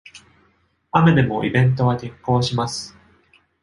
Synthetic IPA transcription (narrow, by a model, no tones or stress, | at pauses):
ame̞d̪e̞mo̞ʔḭbẽ̞nt̪̬o̞β̞aɡ̪ẽŋko̞ːɕimasɨ̥